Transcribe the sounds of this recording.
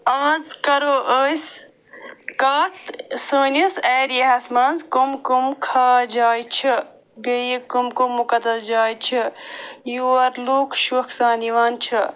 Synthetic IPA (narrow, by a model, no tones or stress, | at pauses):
aːzkɐɾoːʔəːs | kaːt̪səːnisɛːɾiɦɐsmãːnzkomkumkʰaːd͡ʒaːjt͡ʃʰɐ | bejikomkomːukɐd̪ɐsd͡ʒaːjt͡ʃʰijuɐɾluːkʃukʰsaːniʋaːnt͡ʃʰɐ